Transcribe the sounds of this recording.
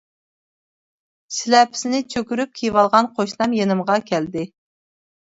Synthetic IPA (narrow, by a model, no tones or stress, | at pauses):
sɪlɛpʰɪ̥sɪnɪt͡ʃʰøkʲyɾyp̚kʲʰijwɑlˠʁɑnqʰoʃnɑmjenɨmʁɑkʲʰɛld̪ɪ